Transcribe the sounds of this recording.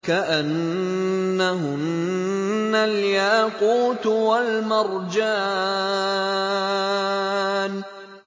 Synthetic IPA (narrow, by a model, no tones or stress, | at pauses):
kaʔanː | aɦʊnː | aljaːquːt̪walmɑɾˤd͡ʒaː | n